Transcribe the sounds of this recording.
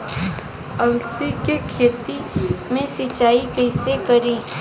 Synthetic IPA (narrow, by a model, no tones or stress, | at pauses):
ɐlsikekʰeːt̪imẽsɪt͡ʃaːikɐɪsekɐɾĩː